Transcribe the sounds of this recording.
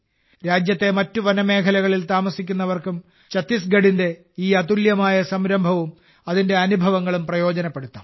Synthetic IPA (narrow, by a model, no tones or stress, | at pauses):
ɾaːd͡ʑjɐt̪ːe̞mɐtːuʋɐnɐme̞ːkʰɐlɐɣɐɭilt̪aːmɐsikʲːunːɐʋɐrkum | t͡ɕɐt̪ːisɡɐɽinde̞ | iːɐt̪uljɐmaːjɐsɐmɾɐmbʱɐʋum | ɐðinde̞ɐnubʱɐʋɐŋːɐɭumprɐjo̞ːd͡ʑɐnɐpːe̞ɽut̪ːɐ